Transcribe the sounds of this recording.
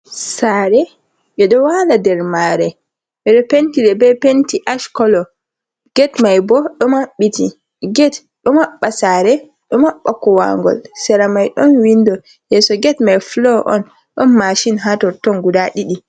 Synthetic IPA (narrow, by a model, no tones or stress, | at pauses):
saːɾɛ | ɓɛɗɔwaladɛɾmaːɾɛ | ɓɛɗɔpentiɗɛbɛpentiʔaʃkɔlɔ | ɡ̥ɛtmajbɔɗɔmaɓːiti | ɡɛt | ɗɔmaɓːasaɾɛ | ɗɔmaɓːakɔwa̰ŋɡɔ̰lsɛɾamajɗɔnwindɔ | jɛsɔɡɛtmajflɔʔɔ̰n | ɗɔnmaʃinɦatɔɾtɔnɡudaɗiɗi